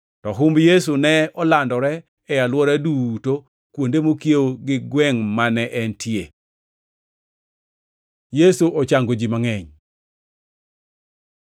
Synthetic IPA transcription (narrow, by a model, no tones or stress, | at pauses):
tɔɦʊmbjes̬unɛɔlandɔɾɛː | jalwɔɾaduto | kwondemokjewoɡɪɡwɛŋmanɛʔɛntʰje | jesuʔɔt͡ʃaŋɡod͡ʒimaŋɛɲ